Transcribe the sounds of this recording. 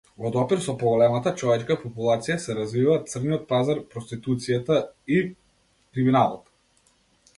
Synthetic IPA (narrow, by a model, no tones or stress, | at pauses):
vɔd̪ɔpiɾsɔpɔɡɔlɛmat̪at͡ʃɔvɛt͡ʃkapɔpulˠat̪sijasɛɾazvivat̪sr̩niɔt̪̚pazaɾpɾɔst̪it̪ut̪sijat̪ai | kɾiminalˠɔt̪